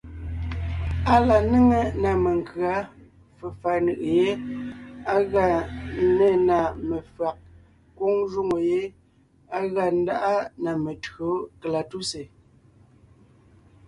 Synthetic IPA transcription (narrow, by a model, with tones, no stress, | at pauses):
a˨la˨ne˦ŋe˨na˨me˨ŋ˨kɰa˨˦ | fe˨fa˨nɯ˨ʔje˦ | a˦ɣa˦˨˦ne˦˨na˨me˨fa˨k̚ | kwo˦ŋʒu˦ŋo˨je˦ | a˦ɣa˨n̩˦da˦ʔa˦na˨me˨tɰo˨˦kla˨tu˦se˨